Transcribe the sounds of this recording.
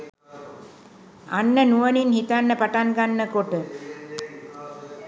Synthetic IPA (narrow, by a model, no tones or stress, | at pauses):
anːənuəninhit̪anːəpaʈaŋɡanːəkoʈə